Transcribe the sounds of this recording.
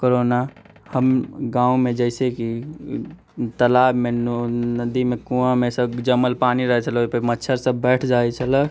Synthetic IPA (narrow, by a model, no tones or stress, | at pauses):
koɾoːna | həmɡãːũmẽd͡ʒəɪseki | t̪əlaːbmenəd̪imekũãmesəbd͡ʒəməlpaniɾəɦɛt͡ʃʰəlpəmətːʃʰəɾsəbbɛːʈʰd͡ʒaɛt͡ʃʰələ